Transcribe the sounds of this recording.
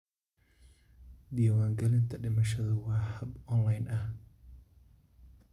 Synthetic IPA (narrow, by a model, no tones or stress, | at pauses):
d̪ijɐwaːŋɡɐlɪnt̪ʰɐɖɪmɐʃɐðɐwɑːhɐbɔnlɐjnʔɐh